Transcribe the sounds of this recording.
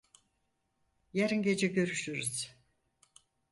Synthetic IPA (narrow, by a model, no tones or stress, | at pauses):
jaɾinɟe̞d͡ʒɛɟø̞ɾyʃyɾyz̥